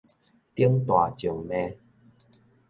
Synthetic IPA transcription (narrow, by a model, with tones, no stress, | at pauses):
t̪i˦ə˦ŋt̪wa˨˩t͡ɕju˨˩ŋmẽ˧